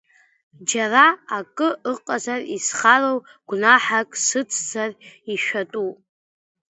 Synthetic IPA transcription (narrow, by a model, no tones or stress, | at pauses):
d͡ʒaraakʼɨɨqʼazarisχarowɡ̥ʷnaħakʼsɨt͡sʰd͡zariʃᶣatʼu